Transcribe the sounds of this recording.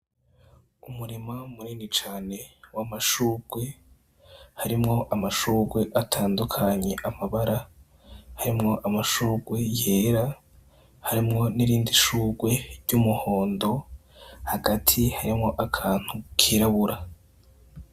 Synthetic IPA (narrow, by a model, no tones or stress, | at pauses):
umuɾimamuɾiːnit͡ʃaːne̞wamaʃuːɡ̥we̞ | haɾimŋo̞ʔamaʃuːɡwe̞ʔatʰaːndukʰaɲe̞ʔamaβaɾa | haɾimŋo̞ʔamaʃuːɡwe̞je̞ːɾa | haɾimŋo̞niɾiːndiʃuːɡwe̞ɾɟumuho̞ːndo̞haɡatʰihaɾimŋo̞ʔakʰaːn̥hukʰiɾaβuɾa